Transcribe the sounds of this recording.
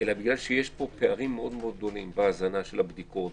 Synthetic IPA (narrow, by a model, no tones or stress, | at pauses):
elabiɡlalʃejeʃpo̞peaʁimːeo̞d̪meo̞d̪̚do̞limbeazanaʃelabd̪iko̞t̪